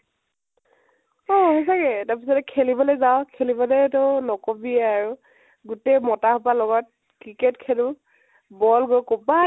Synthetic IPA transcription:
ɔɦɔsaɡɛtaɹpisɔtɛkʰelibɔlezaʊkʰelibɔlɛtɔnɔkobiɛaɹu | ɡutejmɔtahɔpalɔɡɔt̚ | kɹiketkʰelʊ̃ | bɔlɡojkoba

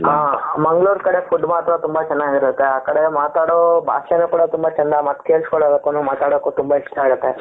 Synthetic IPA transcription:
ɦaːmɐŋɡɭuːɾkɐɽepʰuɖmaːt̪ɾɐt̪umbɐt͡ʃɐnːaːɡiɾɐt̪ːeaːkɐɽemaːt̪aːɽoːbʱa̰ːʃɐnukuːɽɐt̪umbɐt͡ʃɐnd̪amɐt̪ːkeːɭskoɭːoːbeːkːonumaːt̪aːɽokːut̪umbaiʂʈaːɡɐt̪ːe

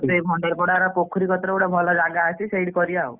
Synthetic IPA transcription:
t̪eibʱɔɳɖɔɾkɔɽaɾɔkokʰːuɾikʰɔt̪ɾɔoɽabʱɔlɔd͡ʒaɡaːsisejɽikɔɾiaw

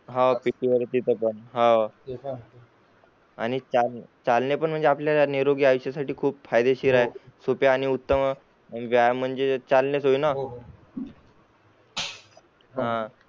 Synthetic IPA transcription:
ɦãpiʈiʋəɾet̪it̪ʰəpəɳɦã | aɽ̃it͡salt͡salnepəɳm̤əɳd͡zeapljaaniɾoɡiːaʋiɕjasaʈiːkʰuːpfajd̪eɕiɾaesopjaːɽ̃iut̪ːəm | ʋjajm̤əɳd͡zet͡salnesɦoina | ɦã

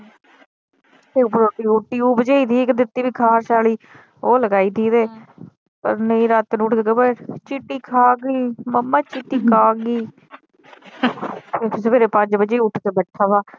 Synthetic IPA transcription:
t̪eːpəɾoːʈiːʊʈːiːuːbəd͡ʒeːiːt̪ʰiːkd̪ɪt̪ːiːbiːkʰaːɾʃaːliː | oːləɡaːiːt̪ʰiːt̪eː | pə̰ɾnəĩːɾat̪ːnũːʈɡəɡəbət͡ʃiʈːiːkʰaːɡiːməmːãːt͡ʃiʈiːkʰaːɡiː | eːsbeːɾeːpə̃ɲd͡ʒbəd͡ʒeːʊʈʰt̪eːbəʈʰaːʋaː

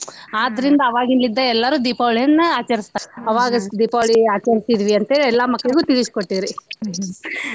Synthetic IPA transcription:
aːd̪ːɐɾind̪ɐːʋaːɡinlːid̪ːɐɛlːɐɾuːd̪ipaːʋɭijɐnːɐaːt͡ʃɐɾist̪aɐʋaːɡɐd̪ipaːʋɭiaːt͡ʃɐɾisid̪ʋiɐnt̪eːliɛlːaːmɐkːɐɭiɡut̪iliskoʈːid̪ɾi

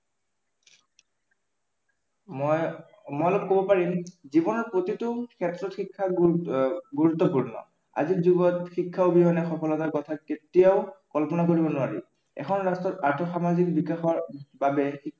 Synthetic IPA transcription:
ɔj | mɔjalɔb̚kobɔpaɹimzibɔnɔɹpɹotitʊkʰɛtɹɔtxikʰːa | ɡuɹut̪ːɔpuɹnɔ̰ | a̰zizuɡɔtxikʰːaobiɦɔnɛxɔkʰɔlɔtaɹkɔtʰaketijaʊkɔlpɔnakoɹibɔnʊaɹḭ | ɛ̰kʰɔnɹastɔtaɹtʰɔxamazikbikaxɔɹbabɛxi

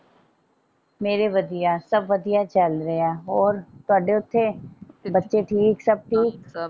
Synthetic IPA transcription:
meːɾeʋɐd̪ijasɐbʋɐd̪ijat͡ʃɐlɾɐeaɔːɾt̪aːɖeʊt̪ʰːebɐtːʃeʈʰiːksɐb̚ʈʰiːk

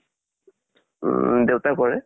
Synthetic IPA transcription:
dewtakɔɹɛ

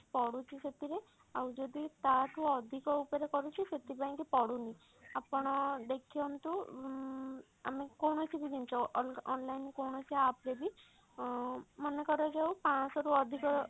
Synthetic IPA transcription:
pɔɽut͡ʃʰiset̪iɾe | awd͡ʒɔd̪it̪aʈuɔd̪ʱikɔupɔɾekɔɾut͡ʃʰiset̪ipaĩkipɔɽuni | apɔɽ̃ɔd̪ekʰijɔmt̪u | a̰mekɔwnɔt͡ʃʰibid̪imt͡ʃʰɔɔnlajnkɔwɳɔt͡ʃʰiapɾebi | mɔnekɔɾɔd͡ʒawpãsɔɾuɔd̪ʱikɔ

